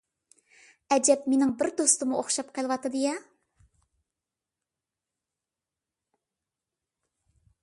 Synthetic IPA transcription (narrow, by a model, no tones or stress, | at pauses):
ɛd͡ʒɛpmenɪŋbɪɾd̪ost̪ɨmuʔoχʃɑp̚qʰəlˠwɑt̪ɨd̪ɨjɛ